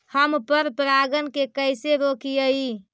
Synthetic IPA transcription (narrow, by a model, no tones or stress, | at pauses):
həmpəɾpɾaɡənkekəjseɾokijəi